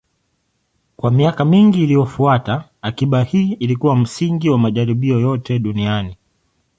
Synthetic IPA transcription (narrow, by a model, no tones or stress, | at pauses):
kwamiakamiŋɡiːlijɔfuataːkiɓahiːilikuwam̩siŋɡiwamaʄaɾiɓiɔjɔtɛɗuniani